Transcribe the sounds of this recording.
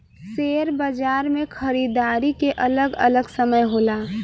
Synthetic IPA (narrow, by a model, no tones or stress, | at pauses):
seːɾbəd͡ʒaːɾmẽkʰəɾiːd̪aːɾikeʔələɡələɡsəməjɦoːlaː